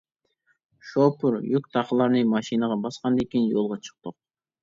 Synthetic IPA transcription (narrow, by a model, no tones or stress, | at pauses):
ʃopuɾjyk̚ʲt̪ʰɑqəlˠɑɾnɨmɑʃinəʁɑbɑsqɑnd̪ekʲenjolˠʁɑt͡ʃʰɨ̥q̚t̪ʊq̚